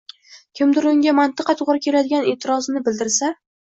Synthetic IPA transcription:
kʲʰɪmd̪ɪɾʊŋɡʲamant̪ɨqɑt̪ʰʊʁɾɪkʲʰe̞lad̪ɪɡʲanet̪ʰɪɾɒznɪbɪld̪ɪɾsa

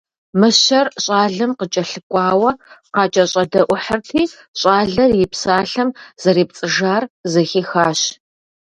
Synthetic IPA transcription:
mɨɕɐrɕʼaːɮɨmqət͡ʃʼɐɬɨkʷʼɑːwɐqɑːt͡ʃʼɐɕʼɐdɐʔʷʊħərtʰiː | ɕʼaːɮɐrjɪpsaːɬɐmz̥ɐɾeːp̚t͡sʼɨʒaːrzɐxiːxaːɕ

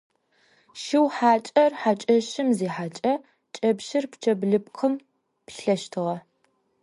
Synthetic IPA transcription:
ʃɪwħaːt͡ʃʼɐrħat͡ʃʼɐʃɪmziːħaːt͡ʃʼɐ | t͡ʃʼɐbʃɪrpt͡ʃʰɐbɮɨp̚qʰəm | pɬɐʃtʰɨʁɐ

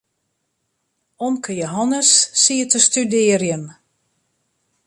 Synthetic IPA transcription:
ɔmkʰəjoɦɔnəsːiətəstydɪərjəm

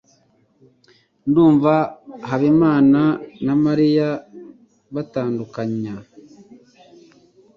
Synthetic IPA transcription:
nduːɱvaɦaβemaːnanamaɾija | βataːndukaɲa

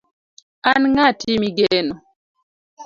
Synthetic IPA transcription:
anŋatimiɡɛnɔ

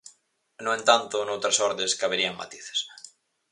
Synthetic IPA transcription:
noent̪ant̪onowt̪ɾasoɾðeskaβeɾiaŋma̰t̪i̥θe̥s

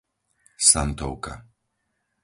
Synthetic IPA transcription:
sant̪ɔwka̰

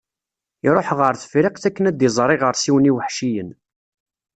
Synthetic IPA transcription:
iɾˤoħʁəɾθə̥fɾiqθækːənæd̪izˤɾˤɪʁəɾsiwəniwəħʃijən

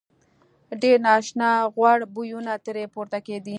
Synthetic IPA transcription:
ɖeɾnɑːʃnɑɣwaɽbujunat̪əɾepuɾt̪aked̪i

